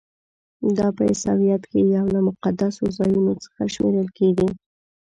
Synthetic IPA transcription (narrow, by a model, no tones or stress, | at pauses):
d̪ɑpəɪ̰sɑ̰wijat̪kejawlamʊqad̪asozɑjunot͡sə̥xaʃmḛɾəlkeɡi